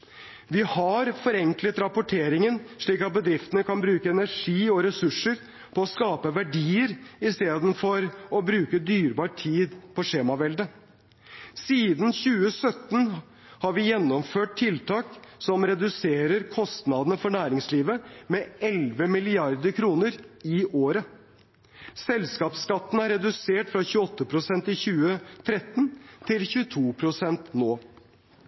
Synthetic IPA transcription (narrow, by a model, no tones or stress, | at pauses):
ʋɪhɑɾfɔɾɛŋklət̪ɾɑpʊʈʰeːɾɪŋənʂɭiːkɑt̪̚bəd̪ɾɪft̪ənəkʰɑnbɾʉːkəɛnæɾʂiːɔɾɛsʉʂːəɾ | pʰɔɔskɑːpəʋæɖiːəɾɪst̪eːd̪n̩fɔɾɔbɾʉːkəd̪yːɾbɑːʈʰiːd̪pʰɔʂeːmɑʋɛld̪ə | siːd̪n̩çʉːəsœt̪ːn | hɑɾʋɪjɛnːɔmføːʈ̚t̪ʰɪlt̪ʰɑːksɔmɾɛd̪ʉseːɾəɾkʰɔst̪nɑd̪ənəfɔɳæːɾɪŋsliːʋəmɛɛlʋəmɪlɪɑɾd̪əɾkʰɾuːnəɾɪʔoːɾə | sɛlskɑːpskɑt̪ːn̩æɾɛd̪ʉseːʈfɾɑçʉːəɔt̪ːəpʰɾʊsɛnt̪ɪçʉːət̪ʰɾɛt̪nt̪ʰɪlçʉːət̪ʰuːpʰɾʊsɛnt̪noː